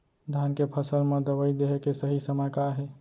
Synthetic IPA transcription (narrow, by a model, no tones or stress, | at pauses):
d̪ʱjankepʰəsəlmẽd̪əwəid̪eɦekesəɦisəməjkaɦɛ